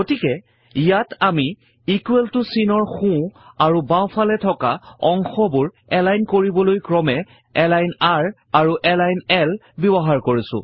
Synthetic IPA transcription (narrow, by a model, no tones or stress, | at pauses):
ɡotikɛ | ijatami | ikweltʊsinɔɹxũaɹubãw̃pʰalɛtʰɔkaɔŋxɔbʊɹ | ɛlajnkoɹibɔlojkɹɔmɛ | ɛlajnaɹ | aɹuʔɛlajnɛl | bɔbɔɦaɹkoɹisʊ̰̃